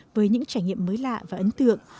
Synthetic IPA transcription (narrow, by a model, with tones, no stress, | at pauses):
vəː˨˦jɲɨ̰˧˥ŋt͡ɕaː˧˩jŋɲḭ˧˨əmːəː˨˦jla̰ː˧˨vaː˨˩ʔə˨˦nt̪ɨ̰˧˨əŋ